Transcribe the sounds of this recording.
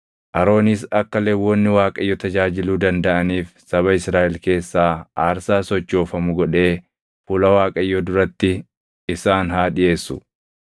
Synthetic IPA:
ʔɐɾo̞ːnis̬ɐkːɐleːwɔnːɪwaːkʼɐjːɔt̪ɐd͡ʒaːd͡ʒɪluːd̪ɐnd̪ɐʔɐniːfsɐβɐɪsɾaːʔɛlke̞ːsːaːaːɾsaːsɔt͡ʃːo̞ːfɐmʊɡɔᶑe̞ː | fʊlɐwaːkʼɐjːɔd̪ʊɾɐt̪ːɪ | ɪsaːnɦaːᶑɪʔe̞ːsːʊ

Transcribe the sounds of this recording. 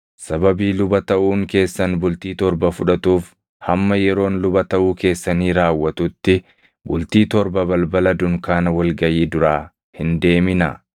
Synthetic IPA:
sɐbɐbiːlʊbɐt̪ɐʔuːŋke̞ːsːɐnbʊlt̪iːt̪ɔɾbɐfʊᶑɐt̪uːf | hɐmːɐjɛɾo̞ːnlʊbɐt̪ɐʔuːke̞ːsːɐniːɾaːwːɐt̪ʊt̪ːɪ | bʊlt̪iːt̪ɔɾbɐbɐlbɐlɐd̪ʊŋkaːnɐwɐlɡɐjiːd̪ʊɾaː | hɪnd̪e̞ːmɪnɐ̰

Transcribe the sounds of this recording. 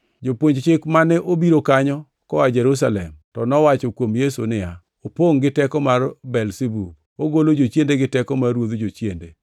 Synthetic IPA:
d͡ʒopwoɲd͡ʒt͡ʃɪkmanɛʔobiɾokaɲɔ | kɔad͡ʒɛɾus̬alɛ̰mtɔnɔwat͡ʃɔkwomjesṵnɪja | opoŋɡɪtɛkɔmarbɛlsebu | oɡolod͡ʒot͡ʃjendeɡɪtɛkɔmarwod̪d͡ʒot͡ʃjendḛ

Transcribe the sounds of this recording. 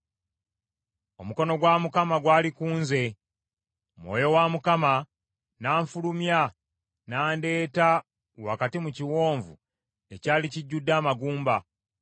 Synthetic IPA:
o̞muko̞no̞ɡwaːmukamaɡwaːlikuːnze̞ | mwo̞̰jo̞waːmukama | naːɱfulumja | naːnde̞ːta | wa̰katimuciwo̞ːɱvṵ | e̞caːliciɟːudːaːmaɡuːmba

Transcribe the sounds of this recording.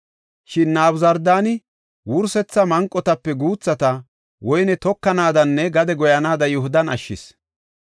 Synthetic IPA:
ʃɪnːaːbzɐɾd̪aːnɪ | wʊɾsɛt͡sːɐmɐŋkʼːɔt̪ɐpːɛɡuːt͡sːɐt̪ɐ | wɔjnɛt̪ɔkːɐnaːd̪ɐnːɛɡɐd̪ɛɡɔjɐnaːd̪ɐjɔhʊd̪ɐnɐʃːɪ̰s

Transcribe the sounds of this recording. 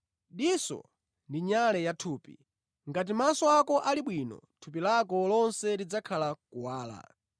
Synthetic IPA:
ɗisɔ̰ | ndiɲalɛjatʰuːpḭ | ŋɡat̬imasɔakɔʔaliɓwiːnɔ̰tʰupilakɔlɔnsɛlid͡zakʰalakuwaːla̰

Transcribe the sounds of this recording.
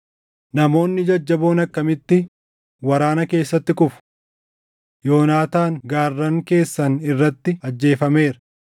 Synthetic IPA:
nɐmo̞ːnːɪd͡ʒɐd͡ʒːɐbo̞ːnɐkːɐmɪt̪ːɪ | wɐɾaːnɐke̞ːsːɐt̪ːɪkʊfʊ̥ | jo̞ːnaːt̪aːŋɡaːrːɐŋke̞ːsːɐnɪrːɐt̪ːɪɐd͡ʒːe̞ːfɐme̞ːɾɐ

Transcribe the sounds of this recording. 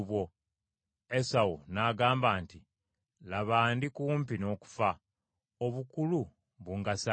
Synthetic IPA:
βwo | esawunaːɡaːmbaːnti | laβaːndikuːmpino̞ːku̥fa | oβukulu | βuŋɡasa

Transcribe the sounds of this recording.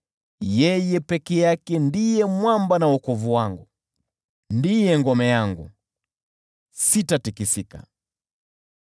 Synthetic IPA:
jɛjɛpɛkɛjakɛndijɛmwambanawɔkɔvuwaŋɡu | ndijɛŋɡɔmɛjaŋɡṵ | sitatikisika̰

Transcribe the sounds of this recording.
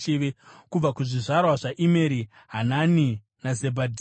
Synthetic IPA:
eʋekub͡vakuʐiʐarwaʐaʔime̞ɾi | ɦanani | nazebʱadʱi

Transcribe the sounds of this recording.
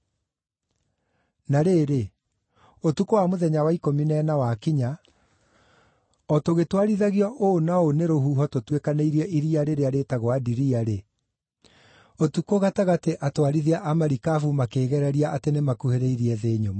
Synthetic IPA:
naɾeɾe | otukowamoðɛɲawaikominɛnawakiɲa | ɔtoɣetwaɾiðaɣiɔʔoːnaoneɾoɦuɦɔtotwekaneiɾiɛʔiɾiaɾeɾeaɾetaɣwadiɾiaɾe | otukoɣataɣateʔatwaɾiðiaʔamaɾikafumakeːɣɛɾɛɾiaʔatenemakuheɾɛiɾiɛðeːɲoma

